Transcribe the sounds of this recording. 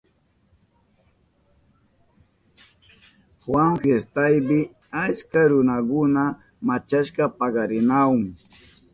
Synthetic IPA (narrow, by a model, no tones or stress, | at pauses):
xwaŋfjest̪ajbɪ | at͡ʃkaɾʊnakʊna | mat͡ʃaʃkɑpɑɢɑɾɪnaʊŋ